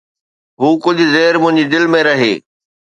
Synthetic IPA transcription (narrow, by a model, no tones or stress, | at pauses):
ɦuːkʊd͡ʑʱʊ̆zeːɾmʊ̃ɦɪ̃ɲd͡ʑid̪ɪlmẽɾɐɦḛː